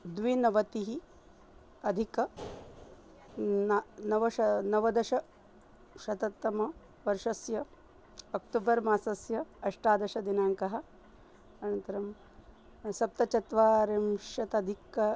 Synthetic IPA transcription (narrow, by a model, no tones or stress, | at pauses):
d̪ʋinɐʋɐt̪iɦi | ɐd̪ʱikɐ | nɐʋɐʃɐnɐʋɐd̪ɐʃɐ | ʃɐt̪ɐt̪ːɐmɐ | ʋɐɾʂɐsjɐ | ɐk̚ʈ̪uːbɐɾmaːsɐsjɐɐʂʈaːd̪ɐʃɐd̪inaːŋkɐɦɐ̆ | ɐnɐnt̪ɐɾɐm | sɐp̚t̪ɐt͡ʃɐt̪ʋaːɾemʃɐt̪ɐd̪ʱikːɐ